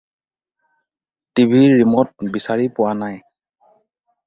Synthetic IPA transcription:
tibʱiɹimɔt̚bisaɹipʊwanaj

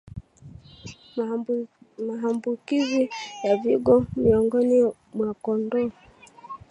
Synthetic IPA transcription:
maɦambukizijaviɡɔmiɔŋɡɔni | mwakɔndɔ

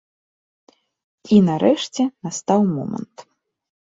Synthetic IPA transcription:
inaɾɛʂt͡sʲɛnast̪awmɔ̰mɐ̰nt̪

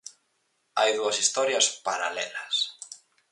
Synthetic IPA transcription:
a̰jðuɐsist̪ɔɾjɐspaɾa̰lɛ̰lɐs

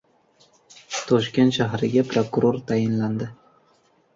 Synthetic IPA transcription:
t̪ʰɒʃkʲe̞nt̪ʃaɦɾɪɡʲapʰɾokuɾoɾt̪ʰajɪnland̪ɪ

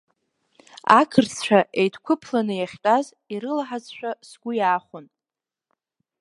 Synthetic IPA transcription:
akʰɨrt͡sʰt͡ʃʷᶣaʔejtʰkʷʰʊpʰlanɨjaχʲtʷʼaz | iɾɨlaħazʃʷᶣasɡʷʊjaːχʷʊn

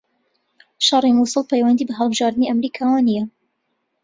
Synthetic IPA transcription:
ʃɑrˤimusˤɨlˠpʰɛjwɐnd̪iːbɐɦɐlˠbɨʒɑːɾd̪ɨniʔɐmɾiːkʰaːwaːnijɐ

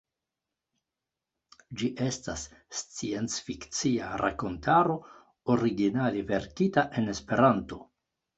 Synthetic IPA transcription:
d͡ʒiʔe̞stasːt͡sie̞nt͡sfikt͡siaɾʔa̰ko̞ntʰaɾo̞ | oɾiɡinaleve̞ɾkitaʔe̞ne̞spe̞ɾanto̞

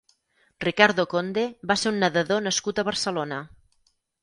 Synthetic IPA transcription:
rikaɾðokond̪eβaseunːəðəðonəskut̪əβəɾsəlonə

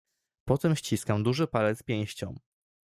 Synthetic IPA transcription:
pɔt̪ɛmɕt͡ɕiskamd̪uʐɘpalɛt̪spʲjɛ̃w̃ɕt͡ɕɔ̰̃m

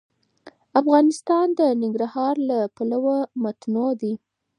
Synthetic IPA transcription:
afɣɑnɪst̪ɑnd̪ənɪŋɡɾahɑɾlapalawamat̪nod̪i

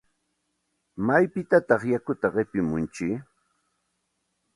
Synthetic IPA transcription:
majpɪt̪at̪ɑχjakʊt̪aɢɪpɪmʊnt͡ʃɪ

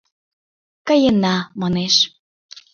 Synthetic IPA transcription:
kə̆jənɑmɑneʃ

